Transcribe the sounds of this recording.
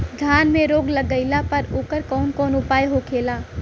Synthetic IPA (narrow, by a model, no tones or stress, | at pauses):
d̪ʱjaːnmẽɾoːɡləɡəɪlapɐɾoːkəɾkɔːnkɔːnʊpaːjɦokʰeːlaː